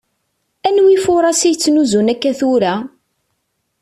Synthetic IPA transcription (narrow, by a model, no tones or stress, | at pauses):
ænwifʊɾˤɑsijt͡sːnuzunækːæθuɾæ